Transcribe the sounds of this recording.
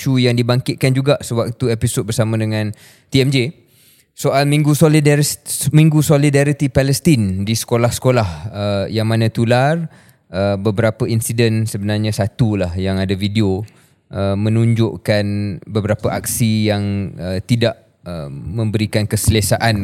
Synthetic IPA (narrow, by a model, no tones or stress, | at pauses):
ʃujaŋdibaŋkɪt̪̚kand͡ʒuɡaʔsəwak̚t̪uepisot̚bərsamãdəŋãn | t̪iɛmd͡ʒe | soʔalmĩŋɡusolidmĩŋɡusolidaɾit̪ipɛlɛst̪indisə̥kolahsə̥kolahəjaŋmãnãt̪ular | əbəbəɾapəinsidənsəbənarɲãsat̪ulahjaŋadavideo | ʔəmə̃nũɲd͡ʒʊʔkanbəbəɾapəʔak̚sijaŋət̪idaʔ | əmə̃mbəɾikankəsəlesaʔan